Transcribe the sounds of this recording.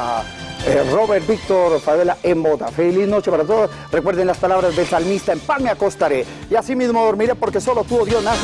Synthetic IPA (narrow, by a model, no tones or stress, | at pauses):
ero̞βeɾt̪bik̚t̪o̞ɾfaðelaʔembo̞ða̰feliznot͡ʃepaɾat̪̬oðos | rekwe̞ɾðenlaspalaβɾazðelsalmist̪aempanmeako̞st̪aɾe̞ | iasimizmoðoɾmiɾepo̞ɾke̞solo̞t̪uβoðjo̞na